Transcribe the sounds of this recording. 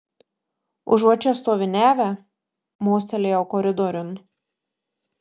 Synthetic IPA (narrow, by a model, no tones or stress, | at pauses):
ʊ̰ʒɔt͡ʃʲɛst̪oːʋʲɪnʲæːʋʲɛ | moːsʲt̪ʲɛlʲeːoːkɔɾʲɪd̪ɔɾʲʊn